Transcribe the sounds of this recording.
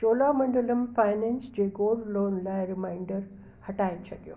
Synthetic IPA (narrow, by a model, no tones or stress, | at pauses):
t͡ʃoːlamɐ̃ɳɖələmfaɪnẽnsd͡ʑeːɡoːlɖloːnlaɪɾɪmaɪɳɖəɾ | hɐʈaet͡ʃʰɐd̪jo̰ː